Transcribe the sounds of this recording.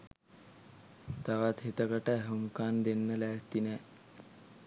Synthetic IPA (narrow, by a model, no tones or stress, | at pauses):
t̪aʋat̪het̪əkəʈəæɦuŋkaːnd̪enːəlæːst̪inɛː